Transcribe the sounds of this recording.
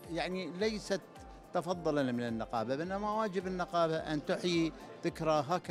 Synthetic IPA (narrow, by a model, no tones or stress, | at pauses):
jaʕnilajsat̪ː | ɑfɑðˤːɨlalmɪnɪnːɪqɑːbabʔɪnːamawaːd͡ʒɪbɪnːɪqɑːbaʔa̰nt̪ʊħji | ðɪkɾaɦaːka